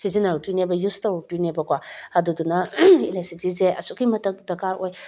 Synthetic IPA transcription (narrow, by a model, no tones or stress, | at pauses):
sizinaɾutunebɐjustatinebɐkwahadudunɐilasitizeʔɐ̰sukimɐtɐk̚dɐkaɾoj